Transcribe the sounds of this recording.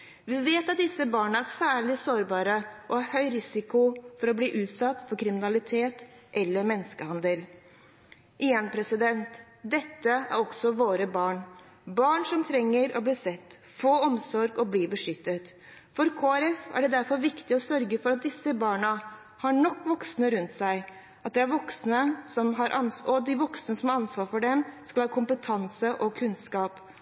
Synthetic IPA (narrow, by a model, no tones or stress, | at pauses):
ʋɪʋeːt̪ɑt̪̚d̪ɪsːəbɑːɳəæɾsæːɭɪsoːɾbɑːɾəʔɔhɑɾhœʏɾɪsɪkʊfɔɾɔbliːʔʉːt̪sɑt̪ːfɔɾkʰɾɪmɪnɑlɪt̪ʰeːt̪ | ʔɛlːəɾmɛnːskəhɑnd̪əl | ʔɪjɛnpʰɾɛsɪd̪ɛnt̪ | d̪ɛt̪ːəæ̰ɾɔksɔʋoːɾəbɑːɳ | bɑːɳʂɔmt̪ʰɾɛŋːəɾɔ̰bliːsɛt̪ː | foːɔmsɔɾɡɔbliːbəʂʏt̪ːət̪ | fɔɾkʰoːæɾɛfæ̰ɖɛd̪æɾfɔɾʋɪkt̪ɪɔsœɾɡəfɔɾɑt̪̚d̪ɪsːəbɑːɳə | hɑɳɔkːʋɔksnəɾʉnt̪sæɪ | ʔɑt̪̚d̪ɛæɾʋɔksnəsɔmɦɑɾʔɑnɔd̪ɪʋɔksnəsɔmhɑɾɑnsʋɑːɾfɔɖɛmskɑlhɑːkʰʊmpət̪ʰɑnsəʔɔkʰʉnskɑːp